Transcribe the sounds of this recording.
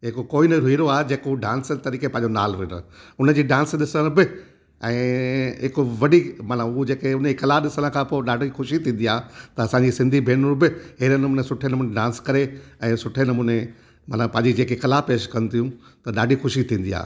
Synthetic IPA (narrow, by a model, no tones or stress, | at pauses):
ɦɪkokoːinɐɾʊiːɾoaːɦed͡ʑeːkouɖãːnst̪ɐɾiːkepɐ̃ɦɪ̃ɲd͡ʑonaːlʋɪɾə̰ʊnəd͡ʑiːɖãːnsɗɪsə̃bɪ | ɛ̃ːɦɪkʊʋɐɗimaːnəʊd͡ʑeːkeʊnəiːkɐlaɗɪsəɽ̃ə̆kʰãːpoːɗaːɖʱixʊʃit̪ʰĩːn̆d̪iaːt̪ɐɐsãːɲd͡ʑisɪ̃nd̪ʱibʱeːnʊɾbɪɦeːɾənɐmuːnesʊʈʰenɐmuːneɖãːnskɐɾeɛ̃ːsʊʈʰenɐmuːne | mɐt̪əpɐ̃ɦɲd͡ʑid͡ʑeːkekɐlapeːʃkɐnɪt̪ʰijũ | t̪ɐɗaːɖʱixʊʃit̪ʰĩːn̆d̪ḭa̰ː